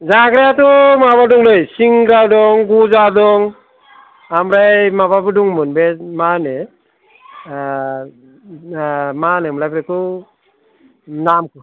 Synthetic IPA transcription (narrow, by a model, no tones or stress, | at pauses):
zaɡɾeatɔmaβadɔŋlɔjsiŋɡɾawdɔŋɡuzadɔŋ | amɾajmababɯduŋmɯnbemane | manɛmlajpɾekɔ | namku